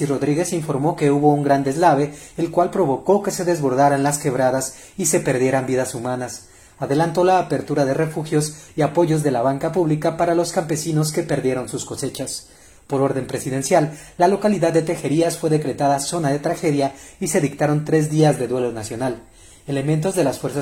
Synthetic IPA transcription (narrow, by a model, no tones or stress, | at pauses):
iro̞ðɾiɣe̞siɱfo̞ɾmo̞ke̞uβo̞uŋɡɾand̪ezlaβe̞elkwalpɾo̞βo̞ko̞ke̞se̞ðe̞zβo̞ɾðaɾanlaske̞βɾaðas | ise̞pe̞ɾðje̞ɾambiðasumanas | aðe̞lant̪o̞laːpe̞ɾt̪uɾaðe̞re̞fuxjo̞siapo̞ʝo̞zðe̞laβaŋkapuβlikapaɾalo̞skampe̞sino̞ske̞pe̞ɾðje̞ɾo̞nsusko̞se̞t͡ʃas | po̞ɾo̞ɾðe̞mpɾe̞siðe̞nsjalːalo̞kaliðaðːet̪e̞xe̞ɾiasfwe̞ðe̞kɾe̞t̪aðaso̞naðe̞t̪ɾaxe̞ðjaise̞ðik̚t̪aɾo̞nt̪ɾe̞zðiazðe̞ðwe̞lo̞nasjo̞nal | ele̞mẽnt̪̬o̞zðe̞lasfwe̞ɾsa